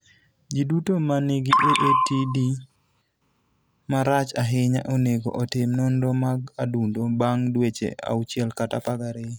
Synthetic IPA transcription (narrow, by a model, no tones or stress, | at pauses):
d͡ʒidutomaneɡiʔeʔetidi | maɾat͡ʃaɦɪɲa̰ʔoneɡo̰ʔɔtɪmnondomaɡadundobaŋdwet͡ʃḛa̰ʊt͡ʃɪɛlkatapaɡaɾɪ